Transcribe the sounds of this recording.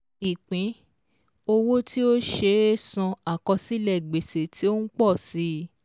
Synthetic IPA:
i˨k͡pĩ˨˦ | o˧wo˦ti˦o˦ʃe˧˦sɔ̃˧a˨kɔ̃˧si˦lɛ˦˨ɡ͡be˨se˨tʰi˨˦o˦nũ˦k͡pɔ˦˨si˦

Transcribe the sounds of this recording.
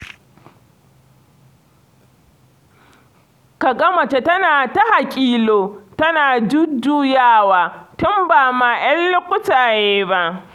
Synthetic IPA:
ka˨ɡɐ˦mɐ˨t͡ʃe˨tɐ˦naː˨ta˦ha˨kʲʼiː˦loː˨tɐ˦naː˨d͡ʒʊ˦duː˦jaː˦˨waː˨tʊ˦mbaː˨maː˨j̰ɐ˦lːʊ˦kʷʊ˦taː˨jeː˦ba˦ʔ

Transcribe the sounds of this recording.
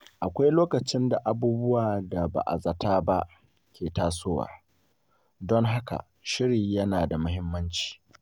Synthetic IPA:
ʔa˨kʷa˦jloː˦kɐ˨t͡ʃɪ˦nda˨ʔa˨buː˦bʊ˦waː˨da˨ba̰˨ʔa̰˨zɐ˨taː˦ba˦ʔ | kʲʰeː˨taː˦soː˦wa̰ː˨ | dɔ˦ŋɦa˦ka̰˨ | ʃɪ˦ɾiː˨jɐ˦naː˨da˨mʊ˦ɦɪ˦mːɐ˦nt͡ʃi̥ː˨

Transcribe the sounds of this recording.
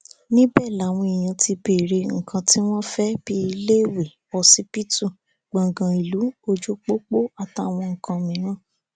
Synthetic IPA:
nĩ˦bɛ˦˨la˨˦˨w̃ɔ̃˧i˨j̃ã˧ti˧be˨ɾe˧ŋ̩˨kʰã˧ti˦w̃ɔ̃˦fɛ˦b̥i˦i˧le˦˨we˨ | ɔ˧si˦pi˦tu˦˨ | ɡ͡bã˨ɡã˨i˨lu˨˦o˧d͡ʒo˦k͡po˦k͡po˦a˦˨ta˨˦˨w̃ɔ̃˧ŋ̩˨kã˧mĩ˨˦ɾ̃ã˦

